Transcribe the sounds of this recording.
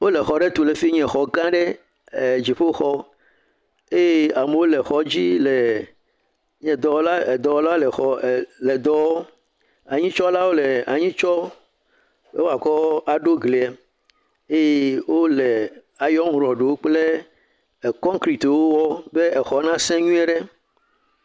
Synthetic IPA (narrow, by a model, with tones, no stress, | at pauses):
wo˦le˨xɔ˨ɖe˦t̪u˨le˨fi˦ɲɛ̃˨xɔ˨ɡã˦ɖe˦˨ | d͡ʑi˨ɸo˦xɔ˦ | e˦je˦a˨me˨wo˦le˨xɔ˨d͡ʑi˦le˨ | ɲɛ̃˨d̪ɔ˨wla˦e˨d̪ɔ˨wɔ˦la˦le˨xɔ˨le˨d̪ɔ˦wɔ˦ | a˨ɲĩ˦t͡ʃɔ˦la˦wo˦le˨a˨ɲĩ˦t͡ʃɔ˦ | be˦wo˦a˨kɔ˦a˨ɖo˦ɡle˨ɛ˨ | e˦je˦wo˦le˨ | a˨jɔ˦ŋũ˨ɾɔ˨ɖe˨wo˦k͡ple˦˨ | kɔ̃˦ŋkɾi˨t̪wo˦wɔ˦be˦ɛ˨xɔ˨˦nã˦sɛ̃˦ɲũ˦ɛ˦ɖe˦